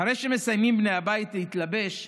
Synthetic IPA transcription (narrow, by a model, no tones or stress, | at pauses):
aɾe̞jʃeme̞sajmimbnejabait̪leit̪labe̞ʃ